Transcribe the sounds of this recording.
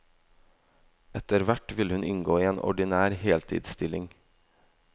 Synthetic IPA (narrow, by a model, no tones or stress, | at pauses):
ɛt̪əɾʋæʈʋɪləhʉnʔɪŋɡoːiːeːnʔɔ̰ɖɪnæːɾheːlt̪ʰḭːd̪st̪ʰɪlɪŋ